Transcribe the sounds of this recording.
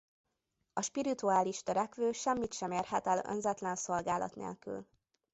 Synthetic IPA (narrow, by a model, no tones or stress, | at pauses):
ɒʃpiɾit̪uaːliʃt̪øɾɛkʋøːʃɛmːit̪ʃɛmeːrhɛt̪ɛlø̰nzɛt̪lɛnso̞lɡaːlɒ̰t̪nḛːlky̰l